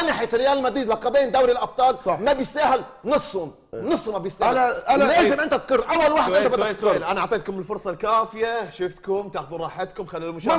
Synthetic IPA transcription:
ʔanaħeːt̪rɪjaːlɪlmad̪iːd̪waqɑbeːnd̪awɾilʔɑb̚t̪ˤɑːlɑmabjɪsaːhɪl | nɨsˤhʊm | nɨsˤːʊmabjɪsaːlaleːɪmʔɪnt̪at̪qɨrːʔawːalwaːħɪɪnt̪abadd̪k̪ːlʔanaʕt̪ˤeːt̪̚kʊmbɪlfʊɾˤsˤɑlkaːfɪjaʃɪft̪kʊmt̪ɪʕxðuɾˤɑːħɪt̪kʊmxalːiːlmʊʃmː

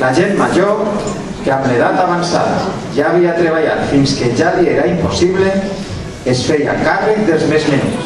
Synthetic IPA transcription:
laʒemːaʒo | keamleð̞at̪aβansa̰ða̰ | ʒaːβiat̪ɾeβ̞aʎat̪finskeʒalieɾaimposiβle | esfeja̰kariðelˠzmezmen

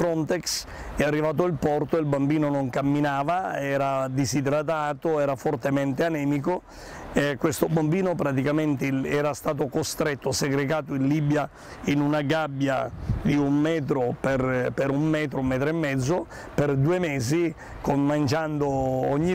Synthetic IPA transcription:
fɾɔnt̪eks | ɛarːivaːt̪̬oilpɔrt̪oilbambiːnonoŋkamːinaːvaɛːɾad̪izid̪ɾat̪̬aːt̪oɛːɾafort̪ement̪eanɛːmik̬o | ekːwest̪obambiːnopɾat̪̬ikament̪eɛːɾast̪aːt̪̬okost̪ɾet̪ːoseɡɾeɡaːt̪oinlibja | inunaɡabːja̰d̪iummɛːt̪̬ɾoperpeɾumːɛːt̪̬ɾoumːɛːt̪̬ɾoemːɛd̪zːo | perd̪uːemeːzi | konmand͡ʒand̪ooɲːi

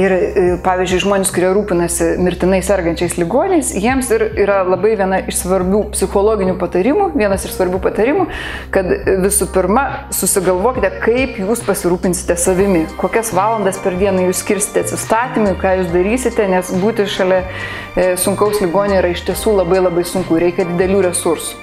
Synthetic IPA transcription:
ɪrpɑːʋʲiːzʲd͡ʒʲʊɪʒmoːnʲɪskʊɾʲiɛɾuːpʲɪnɐsʲɪmʲɪɾʲt̪ʲɪnɐɪsʲɛrɡɐnʲt͡ʃʲɛɪslʲɪɡoːnʲnʲɛɪsjiɛmsɪɾiːɾɐlˠɐbɐɪʋʲiɛnɐʔɪʃsʋɐɾʲbʲuːpʲsʲɪxoːlˠoːɡʲɪnʲupɐt̪ɐɾʲɪmuʋʲiɛnɐsɪʃsʋɐɾʲbʲuːpɐt̪ɐɾʲɪmuː | kɐt̪ʋʲɪsʊpʲɪɾmɐ | sʊsʲɪɡɐlˠʋoːkʲɪt̪ʲɛkɐɪpjuːspɐsʲɪɾuːpʲɪnʲsʲɪ̥t̪ʲɛsɐʋʲɪmʲɪkoːkʲɛsʋɑːlˠɐnd̪ɐspʲɛɾd̪ʲiɛnɐjuːssʲkʲɪɾʲsʲɪ̥t̪ʲɛɐt̪ʲsʲɪst̪ɑːt̪ʲimʊɪkɑːjuːs̬d̪ɐɾʲiːsʲɪt̪ʲɛnʲɛsbuːt̪ʲɪʃɐlʲɛ | sʊŋkɐʊslʲɪɡoːnʲɪnʲɛiːɾɐɪʃʲt̪ʲiɛsuːlˠɐbɐɪlˠɐbɐɪsʊŋkʊɾʲɛɪkʲɛd̪ʲɪd̪ʲɛlʲuːɾʲɛsʊɾsʊ̥

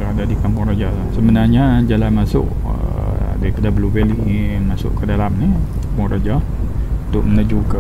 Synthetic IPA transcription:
əadadikampʊŋrad͡ʒalasəbənarɲad͡ʒalanmasʊ̰ʔ | ə̰daɾipadablubɛlimasʊ̰ʔkədalamnikampʊŋrad͡ʒa | t̪ʊʔmənəd͡ʒukə

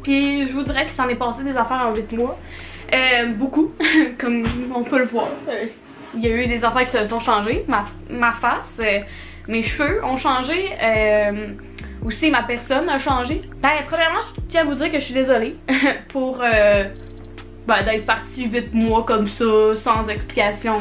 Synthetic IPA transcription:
piʒəvudd͡ziʁɛkə̥sɑ̃nɛpɑːsed̪ezafɛːʁɑ̃wɪt̪mwa | øbokukɔmɔ̃pøləvwɑːʁ | iljayd̪ezafɛːʁki̥səsɔ̃ʃɑ̃ʒema | mafasø | meʃføɔ̃ʃɑ̃ʒeøm | usimapɛʁsɔnaʃɑ̃ʒebɛ̃pχəmjɛʁmɑ̃ʒt̪jɛ̃avud͡ziːʁkʲəʃəʃɥid̪ezɔlepʰuʁø | bɛd̪ɛt̪χpaʁt͡sivɪt̪̚mwɔkɔmsɔsɑ̃zɛkspli̥kʲasjɔ̃

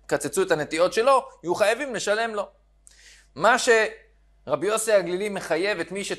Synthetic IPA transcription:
kat͡set͡suet̪ane̞t̪io̞tʃe̞lo̞uχajavimle̞ʃale̞mlo̞ | maʃe̞ | ʁabjo̞siaɡlilimːe̞χaje̞vet̪miʃe

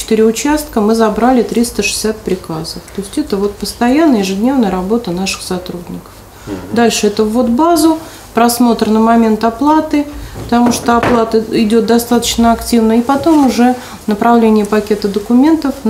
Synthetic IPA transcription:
t͡ɕɪt̪ɨɾʲɪʊt͡ɕast̪̚kəmɨzɐbɾalʲɪt̪ɾʲist̪əʂɨ̥sʲat̪̚pɾʲɪkazəft̪oɪsʲtʲɛt̪əvo̞t̪̚pəst̪ɐjanːəjɪʐɨdʲnʲe̞vnəjəɾɐbo̞t̪ənaʂɨ̥xsɐt̪ɾudʲnʲɪkə̥f | d̪alʲʂɨɛt̪əvːo̞d̪bazʊ | pɾɐsmo̞t̪rnəmɐmʲe̞nt̪ɐplˠat̪ɨpət̪ɐmuʂt̪oɐplˠat̪əɪdʲo̞t̪̚d̪ɐst̪at̪ə̥t͡ɕnəɐktʲivnəipɐt̪o̞mʊʐɛ | nəpɾɐvlʲenʲɪjəpɐkʲe̞t̪əd̪əkʊmʲe̞nt̪əf

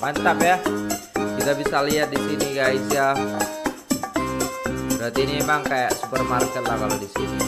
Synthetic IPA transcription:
paɲt͡ʃapja | kit̪abisaliat̪̚disiniɡajsja | bəɾat̪iːniemaŋkajaʔsu̥pərmarkɛt̪̚lakalodisini

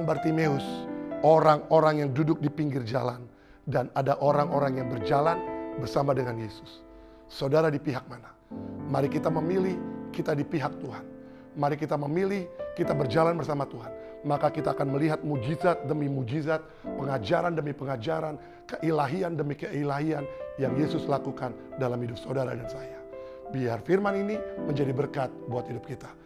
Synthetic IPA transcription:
ŋbart̪imeʊsoɾaŋoɾaŋjaŋdudʊk̚dipiŋɡɪrd͡ʒalan | danadaʔoɾaŋoɾaŋjaŋbərd͡ʒalanbərsamadəŋanjesʊ̥sː | awdaɾadipiɦak̚mana | maɾikit̪aməmilihkit̪adipiɦak̚t̪uɦan | maɾikit̪aməmilihkit̪abərd͡ʒalanbərsamat̪uɦan | makakit̪aːkanməliɦat̪̚mud͡ʒizat̪̚dəmimud͡ʒizat̪̚pəŋad͡ʒaɾandəmipəŋad͡ʒaɾan | kəʔilaɦiandəmikəilaɦianjaŋjesʊslakukandalamhidʊp̚sawdaɾa̰dansaja | biarfirmaniniməɲd͡ʒadibərkat̪̚buat̪hidʊp̚kit̪ḁ

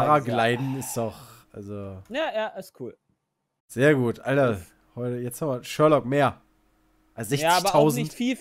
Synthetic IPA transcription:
ʁaɡlaɪdn̩ɪsd̥ɔχʔalzojaːjaːʔɪskʰuːl | z̥eːɐɡuːtʔaltɐ | hɔʏtəjɛt͡shamvɐʃœɐlɔkmeːɐ | ʔalsz̥ɛçt͡sɪçbɐtʰaʊznɪçtfiːl

